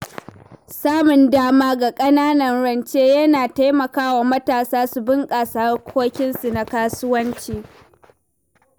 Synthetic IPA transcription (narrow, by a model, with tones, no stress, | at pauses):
saː˦mʊ˨ndaː˦maː˦ɡa˨kʼɐ˦naː˦nɐ˨nɽɐ˨nt͡ʃeː˦jɐ˦naː˨ta˦jmɐ˨kaː˦wa˨mɐ˦taː˨saː˦su˨bɪ˦ŋkʼaː˨saː˦rkʷʰoː˦kʲɪ˦nsu˨na˨kaː˦sʊ˦wɐ˦nt͡ʃiː˨